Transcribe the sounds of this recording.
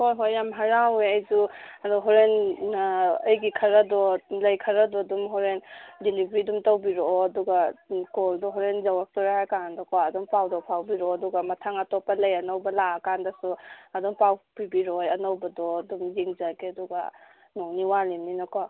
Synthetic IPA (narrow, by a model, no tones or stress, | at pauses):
hojɦojamɦaɾaweɐjzuɐdɔɦɔɾen | ɐjɡikʰɐɾɐdɔlɐjkʰɐɾɐdɔdumɦɔɾendilibɾidumtowbiɾoːduɡakoldɔɦɔɾenzɐwak̚tɔɾahajkaandɔkɔaɐdumpawdɔpʰawbiɾɔɐduɡɐmɐtʰaŋɐtɔpɐlɐjɐnɐwbɐlaɐkandɐsuɐduŋpawpibiɾojɐnɐwbɐdɔdumziŋzaɡeɐduɡa̰ | nuŋniwalimninako